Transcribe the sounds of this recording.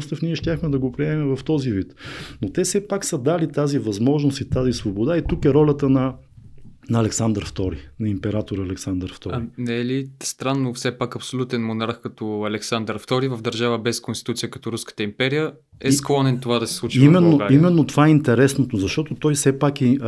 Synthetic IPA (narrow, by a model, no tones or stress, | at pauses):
st̪əfniɛʃt̪ʲjaxmɛd̪ɐɡopɾiɛmɛmɛvɐft̪ɔzivit̪not̪ɛsɛpaksəd̪alit̪azivɐzmɔʒnost̪it̪azisvobod̪ait̪ukɛɾɔlʲət̪ənɐ | nɐɐːlɛksand̪əɾft̪ɔɾinɐimpɛɾat̪oɾəːlɛksand̪əɾft̪ɔinɛlist̪ɾanːofsɛpakɐpsolʲut̪ɛnmonaɾxkɐt̪ɔɐlɛksand̪əɾft̪ɔɾivəvd̪əɾʒavəbɛskonst̪i̥t̪ut̪ijəkɐ̥t̪ɔɾuskə̥t̪əimpɛɾijə | ɛsklˠɔnɛnt̪ovad̪ɐsɛ̥slˠut͡ʃiimɛnːoimɛnːot̪ovaɛint̪ɛɾɛsnot̪ozɐʃt̪ɔt̪ot̪ɔjsɛpakɛ